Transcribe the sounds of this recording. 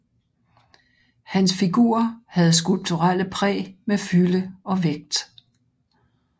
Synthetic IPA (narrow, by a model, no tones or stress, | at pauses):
hænsfiɡ̥ṵɐhæð̞̩ˠs̬ɡ̥ulb̥̚t͡sʰuʁal̰əpʰʁɛ̰ːmefyləɒ̽ʋeɡ̥̚d̥